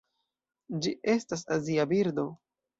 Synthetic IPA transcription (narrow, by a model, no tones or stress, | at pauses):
d͡ʒiʔe̞stasaziabiɾdo̞